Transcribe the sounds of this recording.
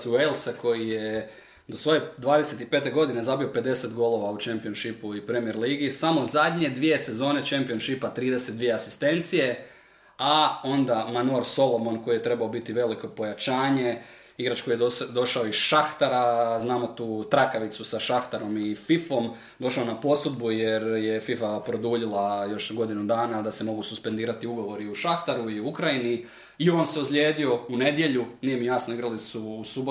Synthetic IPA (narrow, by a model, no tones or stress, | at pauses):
suelˠsako̞jije | d̪o̞sʋo̞jed̪ʋaːd̪ese̞t̪ipet̪e̞ɡo̞d̪ine̞zabio̞pe̞d̪e̞se̞t̪ɡo̞lˠo̞ʋaut͡ʃempionʃipuipɾemieɾliːɡisamo̞zad̪ɲe̞d̪ʋije̞se̞zo̞ːne̞t͡ʃempio̞nʃipat̪ɾiːd̪ese̞t̪̚d̪ʋije̞asist̪e̞nt̪sije̞ | ao̞nd̪amanuaɾso̞lˠo̞monko̞ijet̪ɾe̞baobit̪iʋe̞liko̞po̞jat͡ʃaːɲe̞ | iɡɾat͡ʃkojed̪o̞ʃaoiʃaxt̪aɾaznaːmo̞t̪uːt̪ɾakaʋit̪susaʃaxt̪aɾo̞mififo̞m | d̪o̞ʃaonapo̞sud̪bujeɾjefifapɾo̞d̪uːʎilˠajo̞ʃɡo̞d̪inud̪aːnad̪ase̞mo̞ɡususpend̪iːɾat̪iuɡo̞ʋo̞ɾiuʃaxt̪aɾuiuukɾajini | io̞nseusʎʲje̞ːd̪io̞une̞d̪je̞ʎunije̞mijasnoiɡɾalisuːsubo